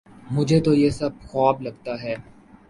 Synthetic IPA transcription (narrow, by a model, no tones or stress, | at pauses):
mʊd͡ʒʱet̪ojesɐb̚xɔːblɐɡ̚t̪aɦɛː